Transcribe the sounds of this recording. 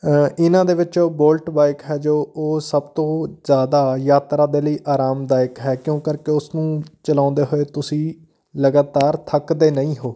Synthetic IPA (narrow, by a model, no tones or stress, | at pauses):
ɪnãːd̪eːʋɪt͡ʃoːboːlʈbaːɪkɦɛːd͡ʒoːoːsəbt̪õːzjaːd̪aːjaːt̪ɾaːd̪eːləiːʔaːɾaːmd̪aːjɪkɦɛːkjõːkəɾkeʊsnũːt͡ʃəlãːnd̪eːɦoːeːt̪ʊsĩː | ləɡaːt̪aːɾt̪ʰəkd̪eːnəĩːɦoː